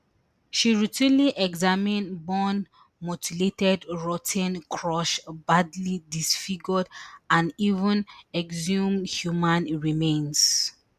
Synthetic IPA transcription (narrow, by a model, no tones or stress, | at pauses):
ʃiɹitʰĩnliʔɛɡzamĩnbɔn | mɔtʰiletɛdɹɔtʰɛ̃nkʰɹɔʃbadlidisfiɡɔdãnivə̃nɛɡzũmhjumãnɹimẽns